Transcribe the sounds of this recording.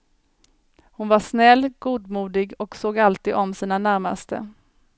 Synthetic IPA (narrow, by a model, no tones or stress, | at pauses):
hʊnvaʂnɛlːɡuːd̪muːd̪ɪɡɔksoːɡalt̪iːd̪ɔmsiːnanæɾma̰st̪ə̰